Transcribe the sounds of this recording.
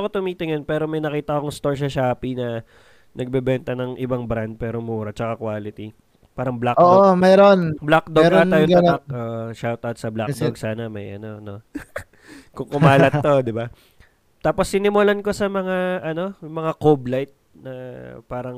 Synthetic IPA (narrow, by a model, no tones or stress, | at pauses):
kot̪ʊmiːt̪ɪŋɐnpɛːɾo̞mɐjnɐkiːt̪ɐɐkoŋst̪o̞ɹʃ̬ɐʃaːpinɐ | nɐɡ̚bɛbɛnt̪ɐnɐŋʔɪbaŋbɾand̪̚pɛːɾomuːɾɐt͡ʃɐkakwaːlɪt̪i | paːɾɐŋblakoːʔomɛɾonblak̚d̪oɡaːɐjoŋɐɐk̚oʔʃawt̪awt̪̚sɐblad̪ɡ̚saːnɐmɐjʔɐno̞no̞ | kʊŋkʊmaːlɐt̪ːo̞d̪ɪba | t̪aːpo̞sːɪnɪmolɐnko̞sɐmɐŋaʔɐno̞jʊŋmɐŋakoblajt̪̚ | nɐpaːɾɐŋ